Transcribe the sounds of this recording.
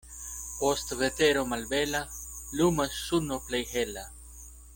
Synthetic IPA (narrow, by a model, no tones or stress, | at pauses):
post̪vet̪eɾomalbelalumasːunoplejhela